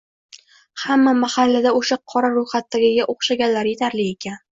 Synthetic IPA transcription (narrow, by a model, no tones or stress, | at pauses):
hamːamahalːad̪aoʃaqʰɒɾaɾʊjχat̪ːaɡʲɪɡʲaʔoχʃaɡʲanlaɾjet̪ʰaɾlɪe̞kʲʰan